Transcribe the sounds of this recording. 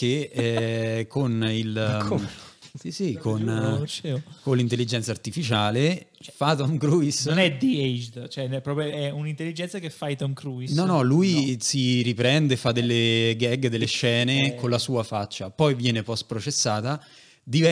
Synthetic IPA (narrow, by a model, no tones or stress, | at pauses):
k̟eɛkʰːonil | isikonnt͡ʃkonlːint̪elːid͡ʒɛnt̪sart̪ifit͡ʃaːlefat̪ɔŋkɾuisonɛd̪ied͡ʒd̪t͡ʃoɛpːɾɔːpɾjoɛunint̪elːid͡ʒɛnt̪sakefːajt̪ɔŋkɾuisnɔnɔlujsiɾipɾɛnd̪eːfad̪elːeɡɛɡd̪elːeʃɛːnekonlasuːafat͡ʃːapɔjvjɛːnepɔst̪pɾot͡ʃesːaːt̪a | d̪ivɛ